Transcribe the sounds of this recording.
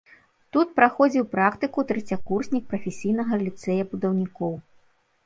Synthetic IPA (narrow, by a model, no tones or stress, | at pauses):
t̪ut̪̚pɾaxɔd͡zʲiwpɾakt̪ɨkut̪ɾɨt͡sʲakursʲnʲik̚pɾɐfʲesʲijnɐɣɐlʲit̪sɛjɐbud̪ɐwnʲikɔw